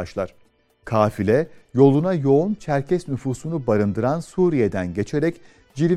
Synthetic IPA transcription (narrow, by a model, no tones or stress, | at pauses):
aʃlˠa̰ɾ̥ | kʰaːfilʲɛjo̞lˠunajo̞unt͡ʃʰæɾcʰɛsnyfuːsunubaɾɯnd̪ɯɾansuːɾijed̪ænɟe̞t͡ʃʰe̞ɾɛc | d͡ʒiɾʲ